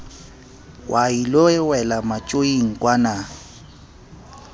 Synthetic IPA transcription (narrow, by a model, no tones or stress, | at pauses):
wʔailɔɛwɛlamat͡ʃʼoiŋ̩kʼwana